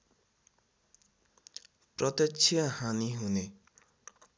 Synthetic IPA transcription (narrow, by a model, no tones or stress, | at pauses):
pɾʌt̪ʌt͡ʃʰiʌhaniɦune